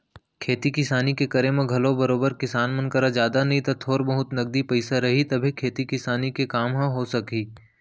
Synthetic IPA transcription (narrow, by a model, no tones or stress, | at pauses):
kʰeːt̪ikɪsaːnikekɐɾemẽɡʱɐlõbɐɾoːbəɾkɪsaːnmɐ̃nkəɾad͡ʒjaːd̪anɐɦĩt̪ɐt̪ʰoːɾbɐɦʊt̪nɐɡ̚d̪ipɐɪsaɾɐɦit̪ɐbʱikʰeːt̪ikɪsaːnikekaːmɦãɦosɐkiː